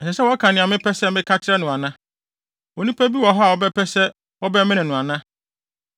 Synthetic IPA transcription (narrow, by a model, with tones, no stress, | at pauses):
ɛ˨sɛ˨sɛ˦wɔ˦a˦kʰã˨nɪ̃˨a˨mɪ̃˦pʰɛ˦sɛ˦mɪ̃˦kʰa˦t͡ɕʰɪ˦ɾɛ˦nʊ̃˨a˨nã˦ | wɔ˨nũ˦pʰæ˦bi˦wɔ˨ɦɔ˦a˨wɔ˦bɛ˦pʰɛ˦sɛ˦ | wɔ˦bɛ˦mɪ̃˦nɪ̃˨nʊ̃˨a˨nã˦